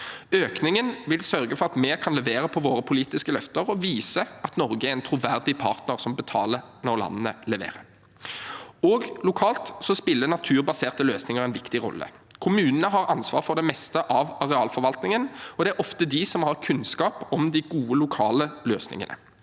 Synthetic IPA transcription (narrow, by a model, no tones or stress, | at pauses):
øːknɪŋənʋɪlsœɾɡəfɔɾʁɑt̪mɛːkʰɑnlɛʋeːɾəpʰɔʋoːɾəpʰʊliːt̪ɪskəlœft̪əɾɔʋiːsəɑt̪nɔɾɡəæɾɛnt̪ʰɾʊʋæʁd̪ɪpʰɑ̰ʁt̪nəʁsɔmbət̪ʰɑːlə | nɔʁlɑ̰nːənə̰lɛʋḛːʁə | ɔɡlʊkʰɑːlt̪sɔspɪlːənɑt̪ʰʉːʁbɑseːʁt̪əløːsnɪŋəʁɛɪnʋɪkt̪ɪɾɔ̰lːə̰kʰʊmʉːnənəɦɑɾɑnsʋɑ̰ːʁfɔʁd̪ɛmɛst̪əʔɑʋɑʁɛɑːlfɔɾʋɑlt̪nɪŋənɔd̪ɛæɾɔft̪əd̪ɪsɔmhɑʁkʰʉnskɑːpɔmd̪ɪɡuːəlʊkʰɑːləløːsnɪ̰ŋə̰nə̰